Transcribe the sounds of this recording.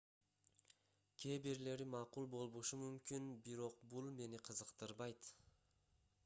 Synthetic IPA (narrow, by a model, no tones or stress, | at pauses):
kʰʲe̞ːbiɾle̞ɾimɑqulˠbo̞lˠβoʃumymkinbiɾo̞q̚bulˠme̞niqʰəzəqt̪ɯɾbɑjt̪